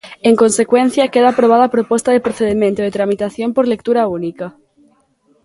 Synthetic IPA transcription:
eŋko̞nse̞kwẽn̟θjakeðaːpɾoβ̞aðapɾopwost̪aðepɾoθeðemjẽnt̪oðet̪ɾamit̪aθjompoɾle̞k̚t̪uɾaunika

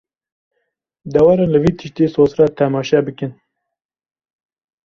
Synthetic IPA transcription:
d̪ɛwɑːɾɑːnlɨviːt̪ʰɨʃt̪eːsoːzrɑːt̪ʰɛmɑːʃɛbɨkɨn

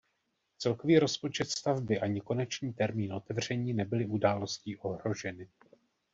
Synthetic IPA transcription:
t͡sɛlko̞viːɾo̞spo̞t͡ʃɛt̪st̪avbɪʔaɲɪko̞nɛt͡ʃɲiːt̪ɛɾmiːnʔo̞t̪ɛvr̝̥ɛɲiːnɛbɪlɪʔudaːlo̞sciːʔo̞ɦɾo̞ʒɛnɪ

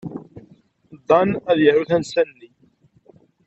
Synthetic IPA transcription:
d̪ˤːɑnæðjəɾuθænsænːi

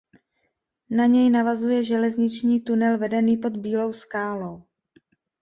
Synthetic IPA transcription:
naɲɛjnavazujɛʒɛlɛzɲɪt͡ʃɲiːt̪unɛlvɛdɛniːpo̞d̪biːlo̞wskaːlo̞w

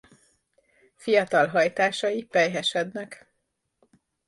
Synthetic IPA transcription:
fijɒt̪ɒlɦɒjt̪aːʃɒjipɛjɦɛʃɛd̪nɛk

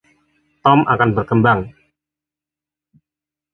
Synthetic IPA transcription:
t̪ɔmʔa̰kanbərkəmbaŋ

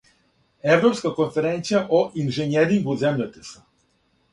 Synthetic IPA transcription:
ɛvɾɔpskakɔnfɛɾɛnt̪sijaʔoʔinʒɛnɛɾiŋɡuzɛmʎat̪ɛ̥sɛ̥

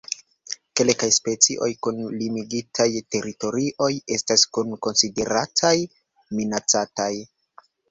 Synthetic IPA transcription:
ke̞lkajspe̞t͡siʔo̞̰jkunlimiɡitʰajte̞ɾito̞ɾiʔo̞je̞staskunko̞nside̞ɾatʰaj | minat͡sataj

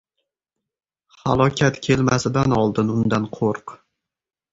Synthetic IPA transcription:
ha̰lˠɒkʲʰat̪kʲʰe̞lmasɪd̪anɒlˠd̪ɪnʊnd̪anqʰoɾq

